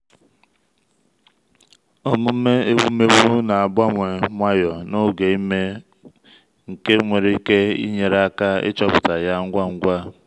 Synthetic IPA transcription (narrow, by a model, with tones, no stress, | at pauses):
o˦mʊ˦me˦e˦ɡ͡bu˦me˦bu˦na˨a˨ɡ͡ba˦ŋʷe˨ŋʷa˦jɔ˨no˦ɡe˨i˦me˦ | ŋ̩˨ke˦ŋʷe˨ɾe˦ke˦ḭ˦ɲe˨ɾa˦ka˦ɪ̰˦t͡ʃɔ˦pʊ˨ta˨ja˦ŋ̩˦ɡʷa˦ŋ̩˦ɡʷa˦